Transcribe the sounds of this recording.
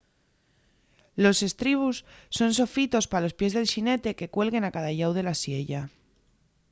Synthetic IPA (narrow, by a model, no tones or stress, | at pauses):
lo̞se̞st̪ɾiβ̞usːo̞nso̞fit̪o̞spalo̞spje̞zðe̞lʃine̞t̪e̞ke̞kwe̞lɣe̞nakaðaʝawð̞e̞lasje̞ʝa